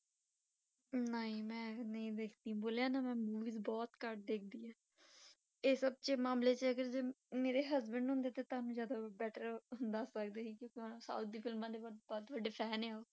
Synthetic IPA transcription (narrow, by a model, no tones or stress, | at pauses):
nəĩːmɛ̃ːnəĩːd̪eːkʰd̪ĩːboːljãːnaːmɛ̃ːmuːʋiːzbɔːt̪kəʈd̪eːk̚ʰd̪iːãː | eːsəb̚t͡ʃemãːmleːt͡ʃəɡəɾd͡ʒeːmeːɾeːɦəzbəɳɖɦʊ̃nd̪eːt̪eːt̪aːnũːzjaːd̪aːbɛːʈəɾɦʊnd̪aːsək̚d̪eːiːkjõːkẽsa̰ːut̪̚d̪iːpʰɪlmãːd̪eːbɔbɔːt̪ʋəɖːeːpʰɛːneːaːoː